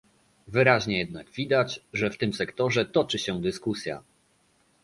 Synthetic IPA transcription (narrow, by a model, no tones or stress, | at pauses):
vɘɾaʑɲɛjɛd̪̚naɡvʲid̪ad͡ʑʐɛft̪ɘmsɛkt̪ɔʐɛt̪ɔt͡ʂɘɕɛd̪ɘskusʲja̰